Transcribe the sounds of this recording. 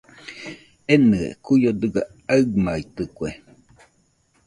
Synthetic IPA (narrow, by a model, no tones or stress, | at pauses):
enɨḛkujod̪ɯɡa | aɯɡmait̪ɯkʷe